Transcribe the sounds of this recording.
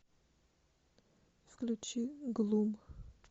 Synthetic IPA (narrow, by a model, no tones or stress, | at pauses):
fklʲut͡ʃiɡlˠum